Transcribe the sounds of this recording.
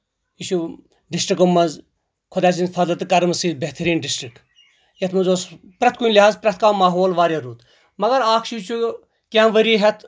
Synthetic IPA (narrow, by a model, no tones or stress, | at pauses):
iʃu | ɖisʈɾikomːɐnz | kʰʊd̪aːt͡ʃint̪fʰɐd̪lɐt̪ɨkɐɾmɨsiːbeht̪ɐɾiːnɖisʈɾik | jɐt̪mɐzoːs | pɾɐt̪kunʲlʲiɦaːzpɾɐt̪kaːmaːɦoːlʋaːɾʲjɐɾuːt̪ | mɐɡɐɾaːkʰʃit͡ʃʰu | kʲãːnʋɐɾiːɦɛt̪ʰ